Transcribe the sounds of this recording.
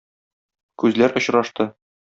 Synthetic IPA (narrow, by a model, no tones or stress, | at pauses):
kʉzlæɾʔŏɕɾɑʃt̪ɤ